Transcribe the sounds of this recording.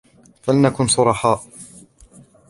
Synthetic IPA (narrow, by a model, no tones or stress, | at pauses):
falanakʊnsʊɾˤɑħaːʔ